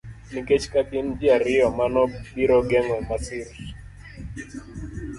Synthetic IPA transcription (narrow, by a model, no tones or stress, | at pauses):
nikɛt͡ʃi̥kakin̩d͡ʒiaɾiɔmanɔbiɾɔɡɛŋwɛmasiɾiʃ